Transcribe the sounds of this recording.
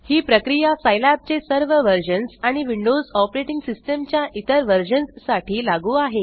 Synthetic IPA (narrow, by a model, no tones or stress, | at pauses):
hiːpɾəkɾijasajlap̚t͡sesəɾʋəʋəɾd͡ʑənsaɽ̃iʋiɳɖod͡zɔpɾeʈiŋɡsisʈəmt͡ɕjaʔit̪əɾʋəɾd͡ʑənsːaʈʰiːlaɡuːaɦe